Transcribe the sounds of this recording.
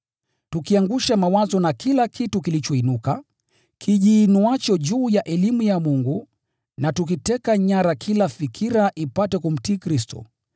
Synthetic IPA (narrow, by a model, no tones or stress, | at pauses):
tukiaŋɡuʃamawazɔnakilakʰitukilit͡ʃɔinuka | kʰiʄiːnuat͡ʃɔʄuːjaʔɛlimujamuŋɡu | natuk̬itɛkaɲaɾakʰilafikʰiɾaʔipatɛkum̩tiːkɾistɔ̰